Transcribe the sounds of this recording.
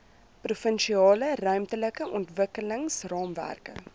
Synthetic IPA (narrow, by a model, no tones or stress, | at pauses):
prufənʃiɑːlərœɥmtələkəʔɔntvəkələŋsrɑːmvæ̰rkə̰